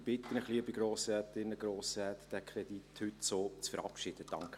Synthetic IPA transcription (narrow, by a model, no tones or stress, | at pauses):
b̥ɪt̪ənəχliəbiɡɾoːsɾɛtɪnːəɡɾoːsɾɛːtd̥ɛkʰɾɛd̥̪ithʏtsoːt͡sfəɾɑ̰pʃɪd̥əd̥ɑ̰ŋkə